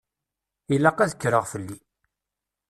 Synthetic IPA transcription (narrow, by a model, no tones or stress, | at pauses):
ilaqæðəkːɾəʁfəlːi